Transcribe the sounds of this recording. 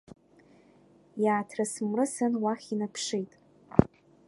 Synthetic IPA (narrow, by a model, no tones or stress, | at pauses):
jaːtʰrasɨmrɨsɨnwaχʲinapʰʂijtʼ